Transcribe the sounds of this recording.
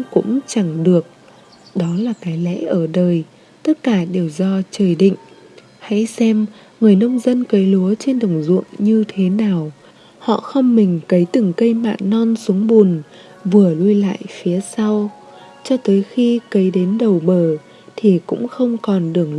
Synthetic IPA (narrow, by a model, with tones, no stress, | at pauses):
kʊ̰˧˥ŋ͡mt͡ɕa˧˩ŋɗɨ˨˩ək̚ | ɗɔ˨˦laː˨˩kaː˨˦jlɛ̰˧˥ʔəː˧˩ɗəː˨˩j | t̪ə˦˥t̚kaː˧˩ɗe˨˩wzɔ˧t͡ɕəː˨˩jɗḭ˧˨ŋ̟ | ha̰˧˥jsɛ˧m | ŋɨ˨˩əjnə˧wŋ͡mzə˧nkə˨˦jlu˨˦ət͡ɕe˧nɗə˨˩wŋ͡mzṵ˧˨əŋɲɨ˧t̪ʰe˨˦naː˨˩w | hɔ̰˧˨xə˧wŋ͡mmï˨˩ŋ̟kə˨˦jt̪ɨ˨˩ŋkə˧jma̰ː˧˨nːɔ˧nsu˨˦əŋɓu˨˩n | vɨ˨˩əlu˧jla̰ː˧˨jfi˨˦əsa˧w | t͡ɕɔ˧t̪əː˨˦jxi˧kə˨˦jɗe˨˦nɗə˨˩wɓəː˧˩ | t̪ʰi˨˩kʊ̰˧˥ŋ͡mxə˧wŋ͡mkɔ˨˩nɗɨ˨˩əŋ